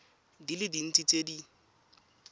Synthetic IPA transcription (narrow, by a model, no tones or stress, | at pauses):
dilɪdin̩t͡sʼit͡sʼedi